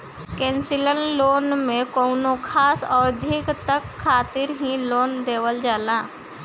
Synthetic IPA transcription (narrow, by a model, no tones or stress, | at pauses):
kɛ̃ːnsɪlənloːnmẽkɔːnokʰaːsɔːɾd̪ʱɪkt̪əkʰːaːt̪ɪɾɦĩloːnd̪eːʋəld͡ʒaːlaː